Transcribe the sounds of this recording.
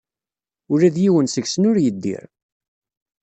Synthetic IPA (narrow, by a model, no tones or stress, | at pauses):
ʊɾæðjiwənsəɡsənʊɾjəd̪ːḭɾ